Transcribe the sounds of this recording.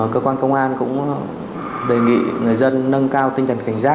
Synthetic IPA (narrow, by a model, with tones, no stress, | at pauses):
kəː˧kwaː˧nkə˧wŋ͡mʔaː˧nkʊ̰˧˥ŋ͡m | ɗe˨˩jŋḭ˧˨ŋɨ˨˩əjzə˧nːə˧ŋkaː˧wt̪ï˧ŋ̟t̪ʰə˨˩nka˧˩ŋ̟zaː˦˥